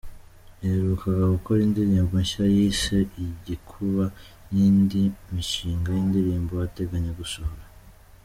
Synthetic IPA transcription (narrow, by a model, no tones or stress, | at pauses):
eɾukʰaɡaɡuko̞ɾindiɾiːmbaɲʃiajiseiɟikʰuβa | jiːndimiʃiːŋɡajindiɾiːmbojate̞ɡaɲe̞ɡusohoɾa